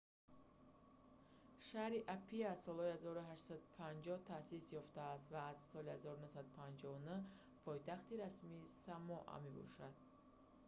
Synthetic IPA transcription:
ʃahɾiʔapʰiazsɔlhɔihazɔɾuɦaʃtsad̪upʰand͡ʒɔht̪ʰasisjɔft̪aːst̪vaːzsɔlihazɔɾunuhsad̪upʰand͡ʒɔvunu | pʰɔjt̪ʰaχt̪iɾasmiːsamɔʔa̰me̞bɔ̰ʃad̪̥̚

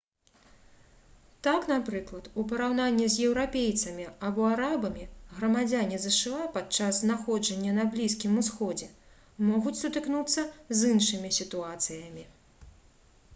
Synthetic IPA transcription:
t̪aknapɾɨklˠɐt̪upɐɾawn̪anʲːɛzʲjɛwɾapʲejt̪sɐmʲiabɔaɾabɐmʲiɣɾɐmad͡zʲanʲizɛʂɨapat͡ʂasnaxɔd͡ʐɐnʲːɐnɐblʲiskʲimusxɔd͡zʲɛ | mɔɣut͡sʲsut̪ɨknut̪sːɐzɨnʂɨmʲisʲit̪uat̪sɨjɐmʲi

